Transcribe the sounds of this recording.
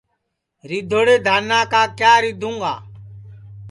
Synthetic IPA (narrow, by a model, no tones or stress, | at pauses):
ɾɪd̪ʱoːɽeːd̪ʱaːnaːkaːkjaːɾɪd̪ʱũːŋɡaː